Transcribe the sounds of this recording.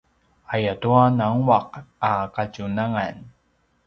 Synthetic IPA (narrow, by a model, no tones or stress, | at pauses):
ajatuanaŋwaqakacunaŋan